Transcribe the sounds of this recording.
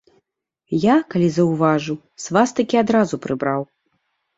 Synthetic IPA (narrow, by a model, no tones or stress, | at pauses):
jakalʲizɐwvaʐu | svast̪ɐkʲiad̪ɾazupɾɨbɾaw